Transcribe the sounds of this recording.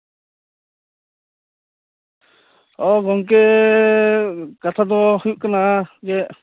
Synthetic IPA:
ɔɡɔŋk̬ɛ | kat̪ʰad̪ɔhuʔkanaɡɛʔ

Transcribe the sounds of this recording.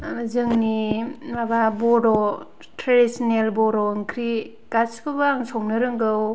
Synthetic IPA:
amazɯŋnimababɔɾɔ | tʰɾadisɔnelbɔɾɔŋkʰɾi | kaskɯbaŋsɔŋnɯɾɯŋɡɯw

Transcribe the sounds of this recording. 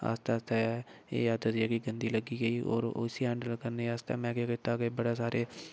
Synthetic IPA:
a̰ːst̪aaːst̪aɛ | ḛːjaːd̪əd̪iɛːkiɡənd̪iːləɡiːɡəiːo̰ːɾo̰siɛ̃ːɳɖlkəɾneːaːst̪a̰ːmɛ̃ːkekɪt̪aːɡeːbəɽaːsaːɾeː

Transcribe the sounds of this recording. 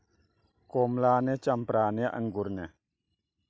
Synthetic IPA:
kɔmlaːnɛt͡ʃampɾaːnɛʔa̰ŋɡuɾnɛ

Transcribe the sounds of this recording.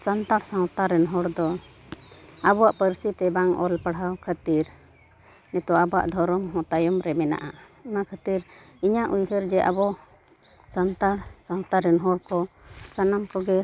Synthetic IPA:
sant̪aɽsãwt̪aɾɛnɦɔɽd̪ɔ | abɔwaʔpəɾsit̪ɛbaŋɔ̰lpaɽɦawkʰət̪iɾ | nɛt̪ɔabɔa̰ʔd̪ʱɔɾɔmɦɔ̃t̪ajɔmɾɛmɛna̰ʔa | unakʰət̪iɾ | iɲaʔujɦəɾd͡ʒɛʔa̰bɔ | sant̪aɽsaw̃t̪aɾɛnɦɔɽkɔsanamkɔɡɛ

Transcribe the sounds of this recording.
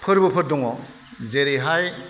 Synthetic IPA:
pʰɯɾbɯpʰɯɾ̚dɔŋɔ | zeɾiɦaj

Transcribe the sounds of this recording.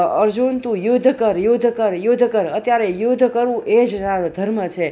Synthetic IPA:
əɾd͡ʒunt̪ũjod̪ʱkəɾjod̪ʱkəɾjod̪ʱkəɾət̪jaɾejod̪ʱkəɾʋũed͡ʒaɾd̪ʱəɾmət͡ʃʰe

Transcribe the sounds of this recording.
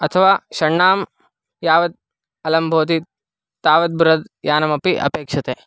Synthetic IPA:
ɐt̪ʰɐʋaːʃɐɳːaːm | jaːʋɐd̪̚ | ɐlɐmbʱoːt̪̬i | t̪aːʋɐd̪̚buɾɐd̪jaːnɐmɐpiʔɐ̰peːkʂɐt̪eː

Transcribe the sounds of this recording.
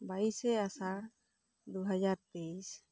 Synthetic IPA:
baisɛasaɾ | d̪uɦad͡ʒaɾt̪es

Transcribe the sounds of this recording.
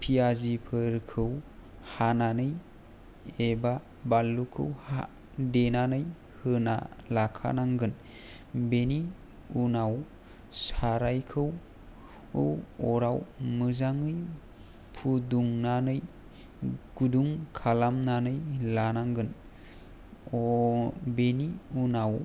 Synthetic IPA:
pʰiazipʰɯɾkʰɯw | hananɯj | eba | balːukʰɯ̰wha̰ | denanɯj | hɯna̰lakʰa̰naŋɡɯn | beni | unaw | saɾajkʰɯw | ɯwɔɾawmɯzaŋɯj | pʰuduŋnanɯj | ɡ̥uduŋkʰalamnanɯjlanaŋɡɯn | beniunaw

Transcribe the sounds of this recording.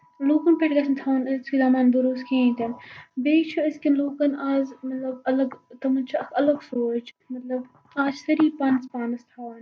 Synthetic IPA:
loːkɐnpeʈɡɐsʰɐnt̪ʰaːʋnskizaːmaːnb̪uɾuskʰĩt̪ɐnbeːt͡ʃʰuɐskiloːkɐnaːzmɐt̪lɐbɐlɐɡt̪ɐmunt͡ʃʰɐɐkʰɐlɐɡsoːt͡ʃʰ | mɐt̪lɐb | aːd͡ʒsɐɾiːpɐnzpaːnɐst̪ʰaːʋɐn

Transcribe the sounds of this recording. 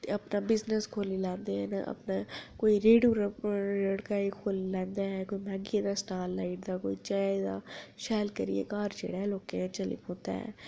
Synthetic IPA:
t̪eəpnaːbɪznəskʰoːlilãːnd̪eɦɛ̃ːna̰ʔə̰pnakoːiɾeːɖuːɾləɽkaːikʰoːlilɛ̃ːnd̪aːɦɛːkoːimɛːɡiãd̪aːsʈaːlːaːɪʈ̚d̪aːkoːit͡ʃaːd̪a̰ːʃɛːlkəɾḭjḛːkaːɾt͡ʃḛːɽaːɦɛloːkeãt͡ʃəlḭkõːnd̪a̰ːɦɛ̰ː

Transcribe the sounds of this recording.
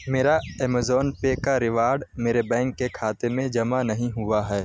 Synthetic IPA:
meːɾaɛːmezɔːnpekaɾɪʋaːɾɖmeːɾebɛ̃ːŋkːekʰaːt̪emẽd͡ʒɐmanɐɦĩɦʊaɦɛː

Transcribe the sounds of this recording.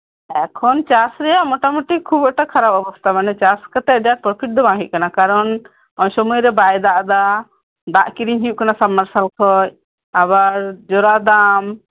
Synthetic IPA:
ɛkʰɔnt͡ʃasɾɛjaʔmɔʈamɔʈikʰːubɔʔʈakʰaɾabɔbɔst̪ʰamanɛt͡ʃaskat̪ɛʔ̚daɾ̚pɾɔpʰiʈ̚d̪ɔbãŋɦic̚kanakaɾɔn | ɔɲsɔmujɾɛbajd̪aʔd̪a | d̪aʔkiɾiɲɦijuʔkanasamːaɾsalkʰɔj | abaɾd͡ʒɔɾad̪am

